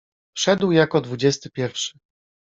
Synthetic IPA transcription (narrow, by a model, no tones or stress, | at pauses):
fʂɛd̪wjakɔd̪vud͡ʑɛst̪ɘpʲjɛɾfʂɘ̥